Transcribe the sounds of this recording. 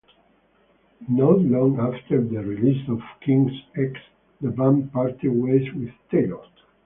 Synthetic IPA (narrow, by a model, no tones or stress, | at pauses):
nɔtlɔ̃ŋaft̪əɹd̪əɹilisɔv̥kʰĩŋsɛks | d̪əbãmpaɹt̪iweswɪðt̪eɔt